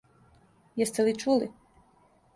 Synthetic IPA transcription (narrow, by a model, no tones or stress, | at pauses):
jɛst̪elit͡ʃuli